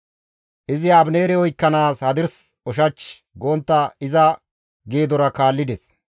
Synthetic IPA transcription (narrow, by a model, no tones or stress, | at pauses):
ʔɪzɪabne̞ːɾɛɔjkːɐnaːshɐd̪ɪɾs | ɔʃ̬ɐt͡ʃ | ɡoːnt̪ːɐɪzɐ | ɡeːd̪ɔɾɐkaːlːɪd̪ɛs